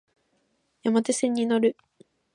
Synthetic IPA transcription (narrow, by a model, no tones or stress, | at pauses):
jamat̪esẽɲ̟ʲːinoɾɯ̟